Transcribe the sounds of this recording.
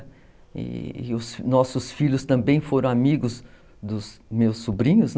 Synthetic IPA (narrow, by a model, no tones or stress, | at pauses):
ɪ̰ʊsnɔsʊsfiʎʊst̪ɐ̃mbẽj̃foɾɐ̃w̃amiɡʊz | d̪ʊzmewsːubɾĩɲʊzn